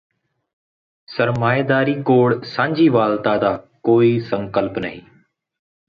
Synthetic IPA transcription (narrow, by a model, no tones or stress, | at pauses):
səɾmaːed̪aːɾiːkoːɽsãːɲd͡ʒiːʋaːlt̪aːd̪aːkoːiːsəŋkəlpnəɦḭ̃ː